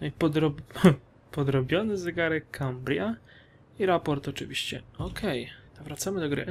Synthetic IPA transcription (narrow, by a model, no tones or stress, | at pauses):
ipɔd̪ɾɔ | pɔd̪ɾɔbʲjɔnɘzɛɡaɾɛkʰambɾʲja | iɾapɔɾt̪ɔt͡ʂɘ̰vʲiɕt͡ɕɛ̰ɔkʰɛj̪avɾat̪samɘd̪ɔɡɾɘ̰